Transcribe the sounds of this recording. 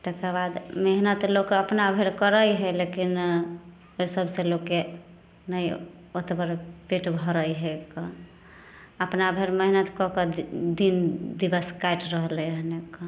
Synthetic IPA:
t̪əkəbad̪meɦnət̪lokəpnabʱeɾkəɾəjɦɛlekin | osəbʱselokːe | nəj | ot̪bəɾpeʈbʱɔɾəjɦekɔ | əpnabʱeɾməɦinət̪kɔkɔd̪ind̪ibəskajʈɾəɦlɛəɦnekːɔ

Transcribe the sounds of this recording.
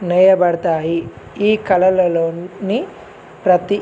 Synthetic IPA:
nɛjɐbɐɽɐt̪aːji | iːkɐlɐlɐloːni | pɾɐt̪i

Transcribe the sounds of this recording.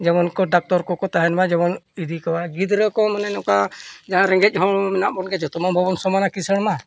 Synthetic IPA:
d͡ʒamɔnkɔɖak̚t̪ɔɾkɔkɔt̪aɦɛnmad͡ʒamɔnid̪ikɔwaɡid̪ɾəkɔmananɔkad͡ʒaŋaɾɛŋɡɛc̚ˀɦɔmɛnaʔbɔnɡɛd͡ʒɔt̪ɔmabʱɔβɔnsɔmanakisəɽma

